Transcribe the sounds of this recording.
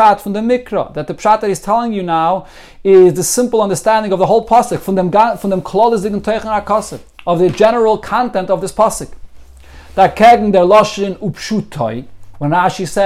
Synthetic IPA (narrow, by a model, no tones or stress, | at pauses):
atfʊ̃n̩dəmɪkɾə̰ðat̪̚ðəpʃat̚dat̚hiz̥tʰɛlˠɪ̃ŋjunaʊ | ɪzðəsɪ̃mpl̩ˠʌ̃ndə˞stæ̃ndɪ̃ŋɔvðəɦoʊlˠpʰɔsɪkfʊ̃ndɛmɡafʊndɛmkʰlˠɔlˠɪzɪɡn̩tʰɔɪχə̃nakʰɔsɪf | ɔvðəd͡ʒɛnəɹəl̩ˠkʰãntɛ̃ntɔvðɪspʰɔsɪk | d̥akʰɛɡŋ̩d̪ɛɹlˠɔʃɪnupʃutʰɔɪwɛ̃nɹaːʃisɛ